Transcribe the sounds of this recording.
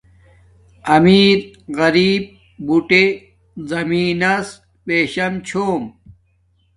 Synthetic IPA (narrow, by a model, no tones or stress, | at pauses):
ɐmiːɾ | ɣɐɾiːb̚ | buʈe | zɐmiːnɐs | peːɕɐmt͡ɕʰoːm